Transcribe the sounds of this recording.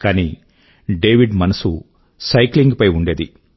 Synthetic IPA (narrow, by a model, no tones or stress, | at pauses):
kaːniː | ɖeːʋiɖmɐnɐsu | sɐjkliŋɡpɐjuɳɖe̞ːd̪ḭ